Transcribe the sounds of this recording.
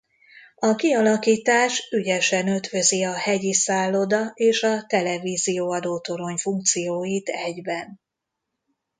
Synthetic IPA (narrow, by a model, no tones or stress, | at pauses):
ɒkiɒlɒkiːt̪aːʃyɟɛʃɛnø̞t̪ʋø̞ziɒhɛɟisaːlːo̞d̪ɒeːʃɒt̪ɛlɛviːzijoːɒd̪oːt̪o̞ɾo̞ɲfuŋk̚t̪sijoːjit̪ɛɟbɛn